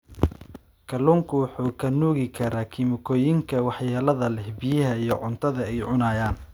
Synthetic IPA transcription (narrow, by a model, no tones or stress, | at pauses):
kʰɐluːŋkʰʊwʊħuːkʰɐnuːɣɪkʰɐɾaːkʰimɪkʰɔːjɪŋkʰɐwɑħjaːlɐðɐlɛhbɪjɐɦɐijɞʕʊnt̪ʰɐðɐɛjʕʊnaːjaːn